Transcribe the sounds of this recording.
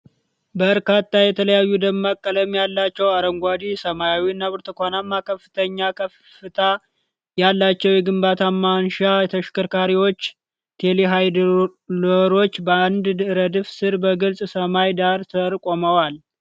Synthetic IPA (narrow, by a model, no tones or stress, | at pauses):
bəɾkat̪ʰːajɛt̪ʰələjajːud̪əmːakʼːələmjalːat͡ʃːɛwaɾəŋɡʷad̪isəmajawiɨnːaβɨɾt̪ʰɨkʷanamːakʰəfːɨt̪ʰəɲːakʰəf | ɨt̪ʰa | jalːat͡ʃːɛwjɛɡɨmbat̪ʰamanʃaɛt̪ʰəʃkɨɾkaɾiwo̞t͡ʃː | t̪ʰe̞leɦajd̪loɾo̞t͡ʃːbəand̪ɾəd̪ɨfsɨɾbəɡɨlsʼsəmajd̪aɾt̪ʰəɾkʼo̞məwal